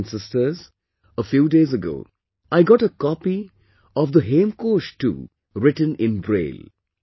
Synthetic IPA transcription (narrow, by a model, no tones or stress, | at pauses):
nsɪstə˞z | əfjuːdeːzəɡo̰ː | aɪɡɑʈəkɔpi | ɔvd̪əɦẽːmkoːʃʈṵː | ɾɪʈə̃nɪ̃nbɾḛːl